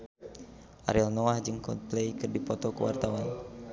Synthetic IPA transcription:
ʔa̰ɾɛlnɔahd͡ʒɨŋkɔpleikɨrdipɔt̪ɔkuwa̰rt̪awan

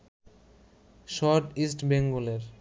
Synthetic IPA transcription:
ʃɔɾʈisʈbeŋɡoleɾ

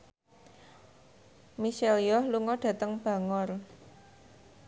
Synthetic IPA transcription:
miselijɔhluŋɔɖ̥ä̤t̪əŋb̥a̤ŋɔr

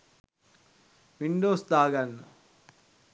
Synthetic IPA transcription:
ʋiɳɖoːsd̪aːɡanːɐ

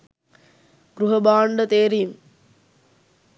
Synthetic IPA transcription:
ɡɾuɦɐbaːɳɖət̪eːɾijm

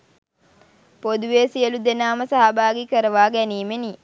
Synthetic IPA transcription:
pod̪uʋeːsiəlud̪enaːməsaɦabaːɡikəɾəʋaːɡæniːmeni

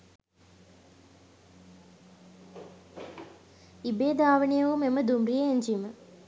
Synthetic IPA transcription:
ibeːd̪aːʋənejəumeməd̪umrijeeɲd͡ʒimə

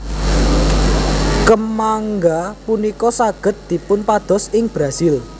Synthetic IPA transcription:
kəmaŋɡapunikɔsaɡ̥ə̤t̪̚d̪̥i̤pʊnpad̪̥ɔ̤sɪŋb̥ɾasɪl

